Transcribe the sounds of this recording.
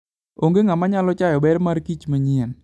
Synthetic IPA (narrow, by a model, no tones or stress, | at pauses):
oŋɡeŋamaɲalɔt͡ʃajɔbɛɾmaɾkit͡ʃmaɲɪɛn